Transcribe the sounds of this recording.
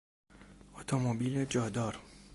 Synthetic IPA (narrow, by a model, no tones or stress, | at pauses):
ot̪ʰomobiːled͡ʒɒːd̪ɒːɾ